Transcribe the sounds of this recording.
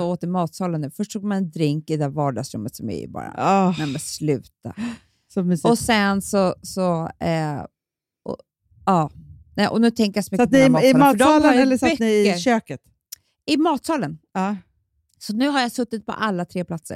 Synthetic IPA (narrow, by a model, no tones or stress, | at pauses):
ɔoːt̪əɾmɑːt̪sɑːlənːʉ̟ːfœʂʈsuːɡmanɛnd̪ɾɪŋkɪd̪ɛæːɾvɑːɖɑsɾɵ̰mːət̪sɔmɛ̰ɪ̰bɑ̰ːɾa̰ɛmɛnslʉ̟ːt̪a̰ | sɔɔsɛnsɔsɔɛ | ʔɔ̰ | ɑːnɛʔɔnʉ̟ːt̪ʰɛŋkəɾjasɔmʏksaːnmɑːdɔɑləɛlːəsanɪɪəɕøːkət̪ | ɪmɑːt̪sɑːlənɑ | sɔnʉ̟ːɦaɾjasɵt̪ːɪt̪̚pʰɔ̰ʔalːat̪ʰɾeːplat̪sə̰ɾ